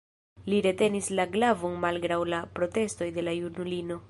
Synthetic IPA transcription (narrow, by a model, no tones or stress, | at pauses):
liɾe̞te̞nislaɡlavonmalɡɾawlapɾo̞te̞sto̞jde̞lajunulino̞